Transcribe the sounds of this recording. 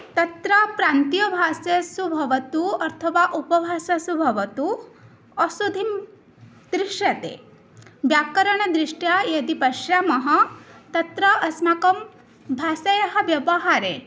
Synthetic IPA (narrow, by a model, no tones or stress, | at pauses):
t̪ɐt̪ɾɐpɾaːnt̪ijɐbʱaːsɐsubʱɐʋɐt̪uɐɾt̪ʰɐʋaːʔupɐbʱaːsɐsubʱɐʋɐt̪u | ɐsud̪ʱim | d̪ɾiʂjɐt̪ḛː | bjaːkɐɾɐɳ̃ɐd̪ɾiʂʈjajɐd̪ipɐʃjaːmɐɦɐ̆t̪ɐt̪ɾɐʔɐsmakɐm | bʱaːsɐjɐɦɐʋjɐʋɐɦaːɾḛː